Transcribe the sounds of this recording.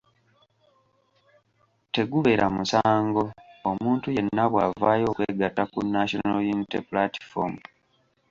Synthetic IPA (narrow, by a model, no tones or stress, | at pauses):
te̞ɡuβe̞ɾʔamusaːŋɡo̞omuːntuje̞nːaβwaːvaːjo̞ːkwe̞ɡatakunːaʃonalintḛpulati̥fom